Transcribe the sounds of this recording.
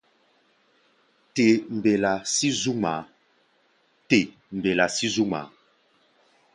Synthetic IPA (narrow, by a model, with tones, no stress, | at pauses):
te˨m̩˨be˨la˨si˦zu˦ma˨˦ | te˨ | m̩˨be˨la˨si˦zu˦ma̰˨˦